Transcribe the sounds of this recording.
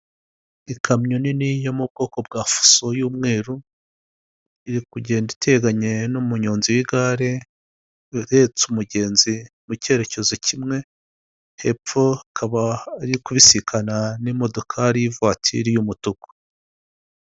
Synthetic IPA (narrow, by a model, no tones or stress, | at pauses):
ikʰamɲoninijo̞mub̚ɡo̞ːko̞b̚ɡaːfu̥so̞juːmŋe̞ːɾu | iɾikuɟe̞ːnditʰe̞ɡaɲe̞numuɲoːnziwiɡaɾe̞ | ɾe̞t͡sumuɟe̞ːnzi | muce̞ɾe̞ce̞zocimŋe̞ | he̞p͡fp͡fo̞kʰaβaɾikuβisikʰananimo̞do̞kʰaɾijivwaːtʰḭɾijumutuko̥